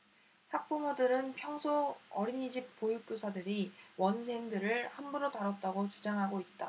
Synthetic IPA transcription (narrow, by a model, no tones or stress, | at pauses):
hak̚p͈umodɯɾɯnpʰjʌŋsʰoʌɾiɲid͡ʑip̚p͈ojuk͈̚josʰadɯɾiwʌnsʰe̞ŋdɯɾɯɭhambuɾotaɾʌt̚t͈aɡot͡ɕud͡ʑaŋɦaɡoit̚t͈a